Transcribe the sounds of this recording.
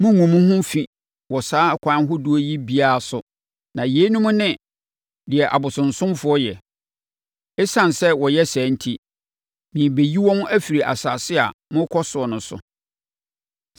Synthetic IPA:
mʊ̃˦ŋũ˨mũ˦hʊ̃˦fĩ˨ | wɔ˨saː˦kʷʰã˨˦ɦʊ˦du˦o˦ji˦bi˦a˦a˨sʊ˨ | nã˨je˨˦nũ˦m̃˦nɪ̃˦ | dɪ˨ɛ˨ʔa̰˨bʊ˨sʊ̃˨n̩˨sʊ̃˦mfʊ˨˦ɔ˦jɛ˨ | ɛ˦sã˨nsɛ˦wɔ˨jɛ˦sæ̃ː˨˦n̩˦tʰi˦ | mĩ˨be˨ji˦wɔ̃˦m̃˦ʔæ˦fi˨ɾi˨ʔa̰˨saː˨sɪ˦a̰˨mʊ̃˦kʰɔ˦sʊ˨ɔ˨nʊ̃˨sʊ̰˨

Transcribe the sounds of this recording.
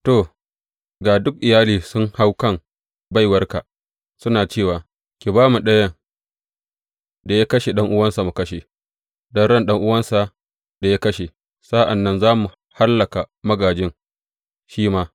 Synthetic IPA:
to˨ | ɡaː˨dʊ˦k̚ʔɪ˨jaː˦liː˨sʊ˦ŋha˦wkɐ˦m | ba˦˨jwɐ˦rka˨ | sʊ˦naː˨t͡ʃeː˦˨waː˨ | kʲe˨baː˦mu˨ɗɐ˦jɐ˦ | da˨ja˦kɐ˦ʃe˨ɗɐ˦ŋʔʊ˦wɐ˦nsa˨mu˨kɐ˦ʃe˨ | dɔ˦nɽɐ˦nɗɐ˦ŋʔʊ˦wɐ˦nsa˨ | da˨ja˦kɐ˦ʃe˨ | sa˦ʔa˨nːɐ˦nzaː˦mu˨ | ha˦lːɐ˨ka˨mɐ˦ɡaː˨d͡ʒɪ˦ŋ | ʃiː˦maː˦

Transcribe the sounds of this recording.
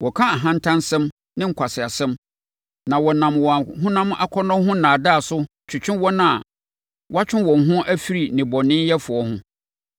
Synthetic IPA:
wɔ˨kʰã˦a˨ɦã˦n̩˦tʰã˦nsɛ̃˦m | nɪ̃˦ŋ̩˨kʷʰa˨sɪ˨a˨sɛ̃˦m | nã˨wɔ˨nã˨mwɔ̃˨ɦʊ̃˦nã˦m˦ʔa̰˨kʰɔ˦nɔ̃˦ɦʊ̃˦nãː˨da˦˨sʊ˦ | t͡ɕʰʊ˨t͡ɕʰᶣɪ̃˦nwɔ˦nã˦a˨ | wa˦t͡ɕᶣɪ̃˦nwɔ̃˨n˨ɦʊ̃˦ʔæ˦fi˦ɾi˨nɪ̃˨bɔ˨nɪ̃˦n˦jɛ˦fʊ˨ɔ˦hʊ̃˦

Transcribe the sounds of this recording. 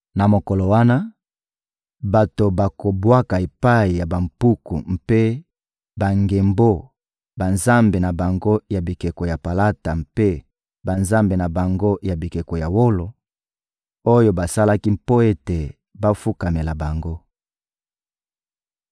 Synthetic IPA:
na˨mo˨ko˨lo˨wa˦na˦ | ba˨to˨ba˨ko˨bwa˦ka˨e˨pa˦i˨ja˨ba˨m̩˨pu˦kṵ˨m̩˦pe˦ | ba˨ŋɡe˨mbo˦ | ba˨nza˦mbe˨na˨ba˨ŋɡo˦ja˨bi˨ke˨ko˨ja˨pa˨la˦ta˨m̩pe˦ | ba˨nza˦mbe˨na˨ba˨ŋɡo˦ja˨bi˨ke˨ko˨ja˨wo˦lo˨ | o˦jo˦ba˨sa˦la˦ki˦mpo˦e˦te˨ | ba˦fu˦ka˨me˨la˨ba˨ŋɡo˦

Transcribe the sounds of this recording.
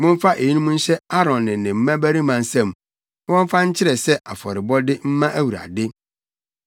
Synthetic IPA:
mʊ̃˦m̩˦fa˦ʔe˨i˦nũ˦m̃˦n̩˦ɕɛ˦a˦ɾɔ̃˨nːɪ̃˨nɪ̃˨m̩˦mã˦bæ˦ɾi˦mã˨n˦sã˦˨m | wɔ̃˦m˦fa˦ɲ̩˦t͡ɕʰɪ˦ɾɛ˨sɛ˦ʔa˨fɔ̰˨ɾɪ˨bɔ˦dɪ˦m̩˦mã˦ʔæ˦wu˨ɾa̰˨dɪ˦

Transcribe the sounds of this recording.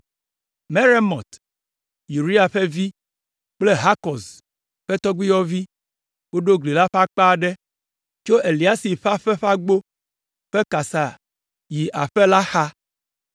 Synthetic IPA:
me˦ɾe˦mɔ̃˨t̪ | ju˨ɾi˦a˨ɸe˦vi˦ | k͡ple˦ɦa˦kɔ˨s | ɸe˦t̪ɔ˦ɡ͡bi˦jɔ˦vi˦ | wo˦ɖo˦ɡli˨la˦ɸa˦k͡pa˦˨ɖe˦ | t͡ʃo˦ʔe˨li˨a˦si˨ɸa˦ɸɛ˦ɸa˦ɡ͡bo˦ | ɸe˦ka˨sa˨ | ji˨ʔa˨ɸe˦la˦xa˦

